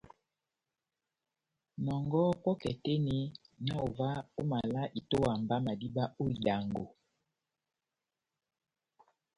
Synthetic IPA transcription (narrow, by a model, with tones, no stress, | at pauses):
mɔ˨ŋɡɔ˦kɔ˦kɛ˨tɛ˦ni˦na˦o˨va˦o˦ma˨la˦ʔi˨to˦wa˨mba˦ma˨di˦ba˦o˦i˨da˨ŋɡo˨